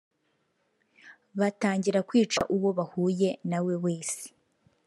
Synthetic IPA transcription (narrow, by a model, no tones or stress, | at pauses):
βataːɲɟiɾakwiːt͡ʃa̰ʔuβo̞βahuːje̞nawe̞we̞ːsi̥